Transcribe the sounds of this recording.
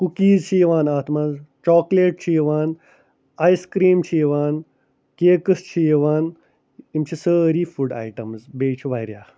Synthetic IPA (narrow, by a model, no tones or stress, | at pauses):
kukiːzt͡ʃʰiːʋaːnaːt̪ʰmãzt͡ʃɔːkleːʈ̚t͡ʃʰiːʋaːn | ajskɾiːmt͡ʃʰiːʋaːn | keːkəst͡ʃʰiːʋaːn | imt͡ʃʰisəɾiːfuɖa̰jʈəmzbeːt͡ʃʰʋajɾjaː